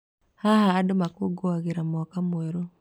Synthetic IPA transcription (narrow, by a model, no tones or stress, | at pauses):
haɦaːdomakoɡoaɣeɾamɔkamweɾo